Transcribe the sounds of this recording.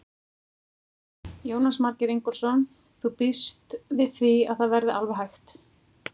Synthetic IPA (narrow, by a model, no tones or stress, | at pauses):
joːwnasmaɾcɪɾejŋkɔɾ̥sɔn | θupist̪vɪðθvia̰ðθaðvɛɾðɪalvɛɦajxt̪